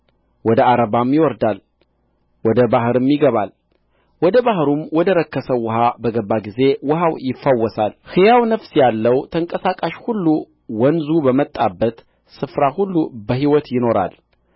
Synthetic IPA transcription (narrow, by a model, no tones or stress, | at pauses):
wɔd̪əaɾəβamjɪwɔɾd̪al | wɔd̪əbaɦɨɾɨmjɪɡəβal | wɔd̪əbahɾumwɔd̪əɾəkːəsəwʊɦabəɡəbːaɡize̞wʊɦawjɪfːawːɔsalhɨjawnəfsjalːəwt̪ʰəŋkʼəsakʼaʃhulːu | wɔnzubəmət̪ʼːabːət̪ | sɨfɾahulːubəɦiwɔt̪jɪno̞ɾa̰l